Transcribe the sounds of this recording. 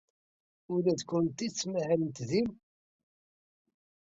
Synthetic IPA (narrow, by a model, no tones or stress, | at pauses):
ʊɾæðkʷːʊnt̪it͡sːmahælənt̪ðim